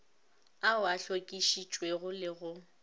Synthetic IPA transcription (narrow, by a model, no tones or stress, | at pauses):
aʊaɬokʼiʃit͡ʃʼweɣʊlɪɣʊ